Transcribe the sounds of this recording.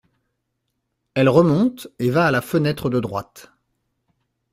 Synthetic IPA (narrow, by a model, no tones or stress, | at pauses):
ɛlʁəmɔ̃t̪evaːlafənɛt̪χəd̪əd̪ʁwa̰t̪